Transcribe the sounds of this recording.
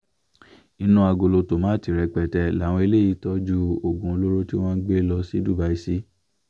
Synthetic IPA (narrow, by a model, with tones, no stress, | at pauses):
i˧nũ˦a˧ɡo˨lo˧to˨mã˨˦˨ti˨ɾɛ˧k͡pɛ˨tɛ˧˦la˨w̃ɔ̃˧e˧le˦˨ji˧˦tɔ˦d͡ʒu˦o˨ɡũ˧˦o˧lo˦ɾo˦ti˦w̃ɔ̃˦n̩˦ɡ͡be˦lɔ˧si˦du˦˨ba˨˦i˧si˦